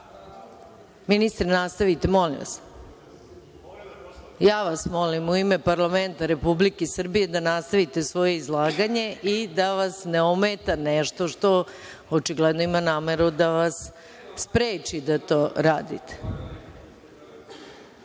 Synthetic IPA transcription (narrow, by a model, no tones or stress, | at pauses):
minist̪ɾenast̪aʋit̪e̞mo̞lḭmʋa̰s | jaːʋasmo̞limuime̞paɾlˠament̪aɾe̞publikesr̩bije̞d̪anast̪aʋit̪e̞sʋo̞jeizlˠaːɡaɲe̞ʔid̪aʋasneomet̪aneʃt̪o̞ʂt̪o̞ | ot͡ʃiɡled̪noimanaːmeɾud̪aʋasː | pɾeːt͡ʃid̪at̪oːɾaːd̪ḭt̪ʰe̥